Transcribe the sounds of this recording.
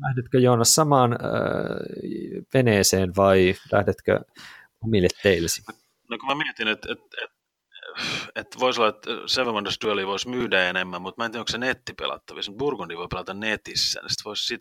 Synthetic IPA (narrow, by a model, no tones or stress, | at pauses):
læhdet̪køjoːnɑssɑmɑːn̰ | ʋeneːseːnʋɑilæ̰hdet̪kø̰ | omilːet̪teilːesi̥ | nokumæmiɛt̪inet̪et̪et̪ | et̪ʋoisolːɑet̪seʋemɑnd̪est̪yøliʋoismyːdæenemːæmmut̪mæeniːnoŋksenet̪ːipḛlɑ̰t̪ːɑʋḭsmut̪̚burkundiʋoipelɑt̪ɑnnet̪isːæ̰ːnḛsi̥t̪ʋoissit̪